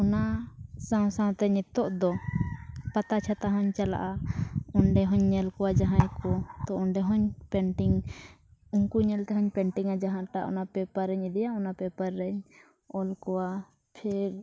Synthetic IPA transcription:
ɔnasãw̃sãw̃t̪ɛɲɛt̪ɔʔd̪ɔ | pat̪at͡ʃʰat̪aɦɔɲt͡ʃala̰ʔaɔnɖɛɦɔɲːɛlkɔwad͡ʒaɦãjkɔt̪ɔɔɳɖɛɦɔɲpɛɳʈiŋ | uŋkuɲɛlt̪ɛɦɔɲpɛɳʈiŋad͡ʒaɦãʈaʔɔ̰napɛpaɾɛɲid̪ɛjaɔnapɛpaɾːɛɲ | ɔlkɔwa | pʰɛɾ

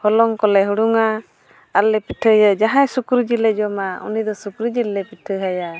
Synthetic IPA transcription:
hɔlɔŋkɔlɛɦuɽuŋa | alːɛpiʈʰəjəd͡ʒaɦãjsukɾud͡ʒilɛd͡ʒɔmaṵnid̪ɔsukɾud͡ʒilːɛpiʈʰəɦaja

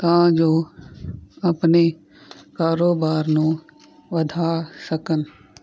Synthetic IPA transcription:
t̪ãd͡ʒoː | ɐpne | kaːɾoːbaːɾnũː | ʋəd̪ʱaːsəkən

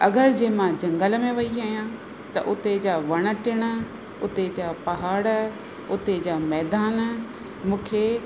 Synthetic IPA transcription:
ɐɡəɾd͡ʑeːmãd͡ʑɐ̃ŋɡəlmẽʋɐiaːɦijã | t̪ɐ̰ʔʊt̪ed͡ʑaʋɐɽ̃ə̆ʈɪɽ̃ə̆ | ʊt̪ed͡ʑaːpɐɦaːɽ | ʊt̪ed͡ʑaːmɛːd̪aːn | mũːkʰeː

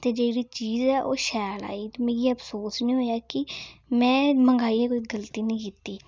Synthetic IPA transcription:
t̪eːd͡ʒeːɽiːt͡ʃiːzɛːʔo̰ːʃɛːla̰ːiːt̪emeːɡiːəpsoːsnĩːɦoːjaːkɪmɛ̃ːməŋɡaːiːɛːkoːiːɡəlt̪iːnĩːkit̪ːiː

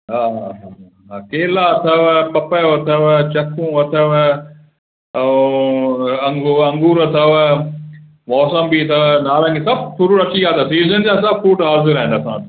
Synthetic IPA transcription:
ɦaːɦa | ɦakeːlat̪ʰɐʋpɐpəːʋɐt̪ʰɐʋt͡ɕɐkʰũːʋɐt̪ʰəʋ | ɐ̃ŋɡuɐ̃ŋɡuːɾɐt̪ʰɐʋ | mɔːsəmbit̪ʰɐʋnaːlãkʰesɐb̚t̪ʰʊɾuɾɐʈiɡaːt̪ʰɐsiːzənd͡ʑaːs̬ɐbfuːʈɦaːzɪɾaɦɪ̃nɐsãːt̪

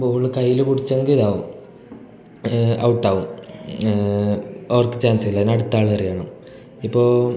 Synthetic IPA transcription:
pːɭːɨkɐjːilupuɽit͡ɕːeŋɡiðaːʋum | ɐwuʈːaːʋum | ɐrkːe̥t͡ɕaːnsilːɐðinɐɽut̪ːaːɭɐɐrijaːɳɐm | ipːo̞ː

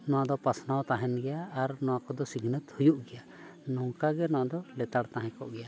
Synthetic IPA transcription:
nɔwaʔd̪ɔpasnawt̪aɦɛnɡɛjaːɾnɔwakɔd̪ɔsiɡʱnət̪hujuʔɡɛja | nɔŋkaɡɛnɔwaʔd̪ɔlɛt̪aɽt̪aɦɛ̃kɔʔɡɛja

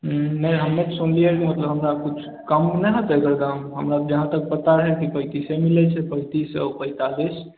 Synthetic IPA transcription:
nɛɦəmːet̪sunliəɾkimət̪ləbɦəmɾakut͡ʃʰ | kəmnɛɦət̪ɛɡəɾd̪aɦmɦəmɾad͡ʒəɦãt̪ək̚pət̪aɾəɦɛlkipəit̪isẽmilɛt͡ʃʰɛpəit̪isə̰pəɦt̪ad̪et͡ʃʰ

